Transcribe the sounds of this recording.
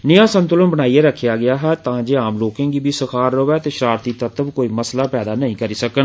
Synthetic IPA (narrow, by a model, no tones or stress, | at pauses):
nɪãːsə̃nt̪ʊlənbəɽ̃aːieːɾəkʰːejaːɡɪjaːɦɛːt̪ãːd͡ʒeːaːmloːkẽːɡiːbiːsəkʰaːɾːəʋɛːt̪eːʃɾaːɾt̪iːt̪ət̪əbkoːiːməslaːpɛːd̪aːnəɦĩːkəɾiːsəkən